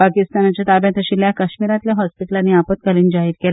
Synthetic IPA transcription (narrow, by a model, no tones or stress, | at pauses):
pakist̪anat͡ɕjat̪abjãt̪əɕiːljakəɕmiɾat̪ljaɦɔspiʈəlanːiapət̪̚kaliːnd͡ʑaɦiːɾkela